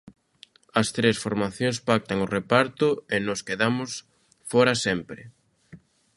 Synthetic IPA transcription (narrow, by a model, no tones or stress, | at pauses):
ɐst̪ɾesfoɾmaθjoŋspak̚t̪aŋʊrepaɾt̪ʊenoskeðamʊs | fɔɾasempɾɪ